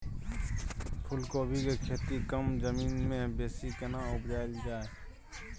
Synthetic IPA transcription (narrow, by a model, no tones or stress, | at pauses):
pʰʊlkoːbʱikekʰeːt̪ikəmzəmiːnmẽbeːsikənaʊbd͡ʒaːɪld͡ʒaːe